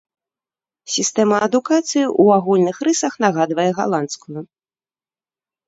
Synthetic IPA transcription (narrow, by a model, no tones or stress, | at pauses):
sʲist̪ɛmɐːd̪ukat̪sɨjiʔuaɣulʲnɨxɾɨsɐxn̪aɣad̪vɐjɛɣa̰lˠant̪skuju